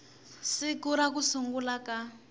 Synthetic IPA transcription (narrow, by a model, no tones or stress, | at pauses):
sikuɾak̬usuŋɡulaka